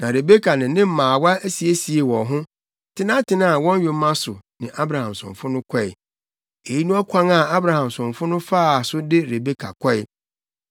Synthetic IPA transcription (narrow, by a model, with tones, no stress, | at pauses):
nã˨ɾe˨be˦kʰa˨nɪ̃˨nɪ̃˦m̩˦mãː˨wa˦æ˦si˨e˦si˨e˨wɔ̃˨ɦʊ̃˦ | tʰɪ˦nã˦tʰɪ˦˨nã˦a˨wɔ̃˦n˦ɥe˨m˦mã˦sʊ˨nɪ̃˨ʔa˦bɾa˨hã˨msʊ̰̃˨ɱfʊ˦nʊ̃˦kʰɔ˦ɪ̰˨ | e˨ji˦nũ˦a˦kʰʷã˦ŋa˨a˦bɾa˨hã˨msʊ̃˨fʊ˦nʊ̃˦faː˦˨sʊ˦dɪ˦ɾe˨be˦kʰa̰˨kʰɔ˦ɪ˦˨